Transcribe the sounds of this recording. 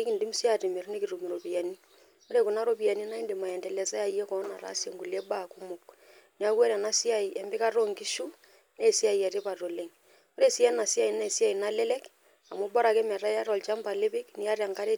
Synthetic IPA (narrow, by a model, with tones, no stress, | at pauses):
e˦ki˨ndi˦mu˦si˦a˦˨te˨me˨ɾne˦ki˨ɾu˨mi˨ɾo˨pi˨a˨ni˦ | o˦ɾe˨ku˨na˦ɾo˦pi˨a˨ni˦na˦i˦nde˨ma˨ɛ˨ndɛ˨lɛ˨sa˦ja˨i˦e˦kɔ˨˦na˨ɾa̰˨˦se˨ŋɡu˨le˦ba˦˨ku˦mʊ˨k | ni˨a˦kwa˦ɾa˨na˦si˦a˨i˨ɛ˨mbɪ˦ka˦ro˦ŋɡi˦ʃu˦ | ne˦˨si˦a˨i˨a˨ɾe˦pa˨to˨le˨ŋ | o˦ɾe˦si˦ɛ˦na˨si˦a˦i˨na˦e˨si˦a˨i˨na˦le˦lɛ˦k | a˨mo˦bɔ˦ɾa˨kɛ˦ma˨ɾa˦a˦ɾɔ˨lt͡ʃa˦mba˨le˦pi˦kni˦a˦rja˨ŋka˦ɾe˦